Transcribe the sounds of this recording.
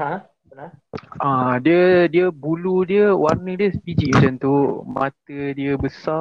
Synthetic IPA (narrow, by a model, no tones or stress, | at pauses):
ɦa | aʔadiədiəbuludiəwarnədiəsəpid͡ʒiʔmat͡ʃant̪umã̰t̪ədiəbəsa